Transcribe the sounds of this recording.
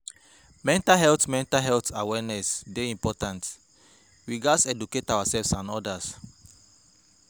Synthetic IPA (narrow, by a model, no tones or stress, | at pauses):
mɛ̃ntalɦɛltmɛ̃ntalɦɛltawɛnɛsdeĩmpɔtãnt | wiɡasɛduketawasɛlvsãnɔdas